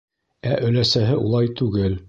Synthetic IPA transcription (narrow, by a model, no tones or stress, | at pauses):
æʔɵ̆læsæɦɘʔulˠɑjt̪ʉɡɘl